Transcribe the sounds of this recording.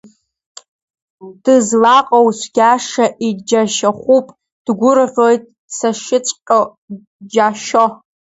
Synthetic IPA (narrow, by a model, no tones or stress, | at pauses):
d̥ɨzlaqʼowsʷɡʲaʂaʔid͡ʒaʃaχʷupʼ | d̥ɡʷʊrʁʲo̞jtʼ | saʃɪt͡ʃʷʼqʲʼo | d͡ʒaʃo